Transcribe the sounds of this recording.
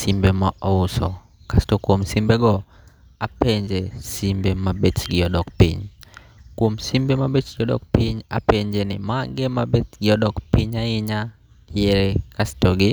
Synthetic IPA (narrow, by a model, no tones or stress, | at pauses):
simbemaʔɔʊsɔ̰ | kastɔkwomsimbeɡɔ | apeɲd͡ʒesimbemabet͡ʃɡɪɔdɔkpḭɲ | kwomsimbemabet͡ʃɡɔdɔ̰k̚piɲa̰peɲd͡ʒenɪ̰maŋɡemabetɡɪɔdɔkpiɲaɪɲa | jeɾekastɔɡɪ